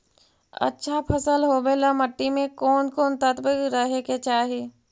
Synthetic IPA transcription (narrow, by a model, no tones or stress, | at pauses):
ɐ̰tːʃʰapʰəsəlɦoːbeːlaməʈːimẽkoːnkoːnt̪ət̪bəkɾəɦeket͡ʃaːɦeː